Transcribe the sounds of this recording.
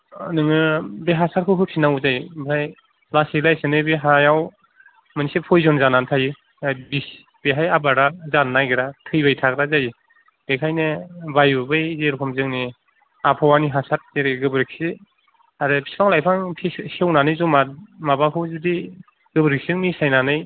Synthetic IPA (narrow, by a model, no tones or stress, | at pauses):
nɯŋɯbeɦasat̚kʰɯɦɯpʰinaŋwuzajbɯɾʰaj | lasilajsɯnɯbeɦajaw | mɯnisepʰɔjzɔnzanantʰajɯ | bis | b̥eɦajabaɾazanːajɡiɾatʰɯjbajtʰak̚ɾazaji | bekʰajnɯbajbɯbɯjzeɾkʰɔmzɯŋni | apʰɔwaniɦasat̚teɾeɡɯbɯɾik̚si | aɾɯpʰi̥skʰaŋlajpʰaŋpʰisewnanɯjzumat̚mabakʰɯwzudi | ɡ̥ɯbɾik̚sɯŋnisajnanɯj